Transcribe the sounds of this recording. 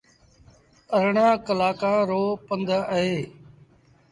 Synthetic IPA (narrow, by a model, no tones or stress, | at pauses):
əɾɳãːkəlaːkãːɾoːpənd̪əɦeː